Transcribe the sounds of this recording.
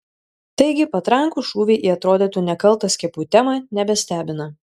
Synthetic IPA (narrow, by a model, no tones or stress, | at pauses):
t̪ɐɪɡʲɪpɐt̪ɾɐŋkuʃuːʋʲeːʔiːɐt̪ɾoːd̪ʲit̪uːnʲɛkɐlˠˑt̪ɐsʲkʲɛpuːt̪ʲɛmɑnʲɛbʲɛsʲt̪ʲæːbʲɪnɐ